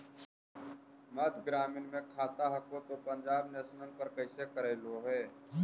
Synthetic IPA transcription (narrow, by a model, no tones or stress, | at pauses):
mɐd̪ʱɡɾaːmɪnmẽkʰaːt̪aɦɐkõt̪opɐ̃ɲd͡ʒaːbneːʃnənpɐɾkɐɪsekəɾeːloɦɛː